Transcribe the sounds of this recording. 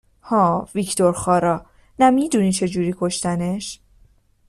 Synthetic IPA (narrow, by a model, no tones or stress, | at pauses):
hɒːvicʰt̪ʰo̞ɾxɒːɾɒː | næmiːd̪uːnit͡ʃʰe̞d͡ʒuːɾiːkʰo̞ʃt̪æneʃ